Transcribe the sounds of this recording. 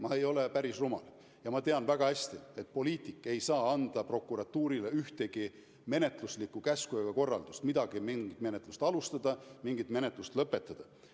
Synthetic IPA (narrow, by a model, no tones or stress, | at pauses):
mɑe̞jo̞lepæɾisrumɑ̰l | jɑmɑt̪e̞ɑnvæɡ̥ɑhæsʲt̪ie̞t̪̚ːˑpo̞liːt̪ˑikːˑe̞jsɑːɑnd̪̥ɑpro̞kːˑuɾɑt̪ːuːɾileyht̪e̞ɡ̥i | me̞ne̞t̪ˑluslikːˑukæskujɑɡ̥ɑko̞rːɑ̰ld̪ust̪mid̪ɑɡ̥imiŋɡit̪me̞net̪ˑlust̪ɑlust̪ɑd̪̥ɑmiŋɡ̥it̪me̞net̪lust̪lɤpːˑe̞t̪ˑːɑd̪̥ɑ